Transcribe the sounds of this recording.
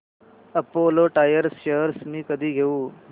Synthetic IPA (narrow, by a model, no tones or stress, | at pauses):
əpoloʈajəɾsɕəɦɾsmiːkəd̪ʱiːɡʱeuː